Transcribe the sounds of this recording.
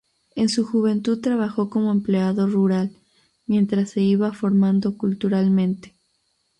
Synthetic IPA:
ensuxuβ̞e̞nt̪uðt̪ɾaβaxo̞ko̞mo̞empleaðo̞ruɾal | mje̞nt̪ɾasːe̞iβafo̞ɾmãnd̪o̞kult̪uɾalmẽ̞nt̪e̥

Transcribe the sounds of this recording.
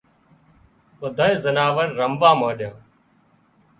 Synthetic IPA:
ɓəd̪ʱaːeːzənaːʋəɾːəmʋãːmãːɗjãː

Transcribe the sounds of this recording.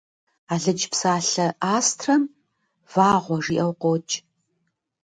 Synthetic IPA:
aːɮɨd͡ʒpsaːɬɐʔaːstʰrɐm | v̥aːʁʷɔʐiːʔɐwqʷoːt͡ʃʼ

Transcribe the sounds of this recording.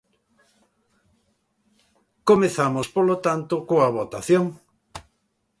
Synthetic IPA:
komeθamospolot̪ant̪okoaβ̞ot̪aθjoŋ

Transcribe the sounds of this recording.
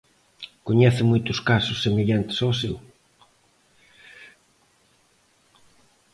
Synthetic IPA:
koɲɛθɪmujt̪ʊskasʊsːemeʎant̪ɪ̥sɔsew

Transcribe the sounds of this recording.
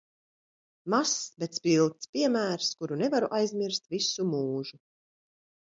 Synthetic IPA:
masbet̪spilˠt̪spʲiɛmæːɾskuɾunɛvaɾuʔajzmʲiɾst̪visumuːʒu

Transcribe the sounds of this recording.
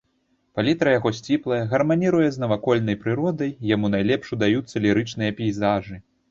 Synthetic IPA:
palʲit̪ɾɐjaɣɔsʲt͡sʲiplˠɐjɐɣɐrmanʲiɾujɛznɐvakɔlʲnɐjpɾɨɾɔd̪ɐjːamunajlʲɛpʂud̪ajut̪sːɐlʲiɾɨt͡ʂnɨjɐpʲijzaʐɨ

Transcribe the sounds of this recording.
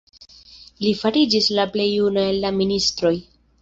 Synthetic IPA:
lifaɾid͡ʒislaple̞junaelːaministɾo̞j

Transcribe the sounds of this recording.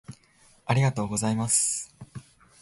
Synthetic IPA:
aɾʲiɡat̪o̞ːɡo̞zaimasɨ̥

